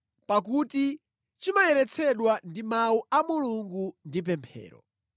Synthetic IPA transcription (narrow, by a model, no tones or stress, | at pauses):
pakuti | t͡ʃimajɛɾɛt͡sʰɛɗwandimauʔamuluŋɡundip̬ɛmpʰɛ̰ːɾɔ̰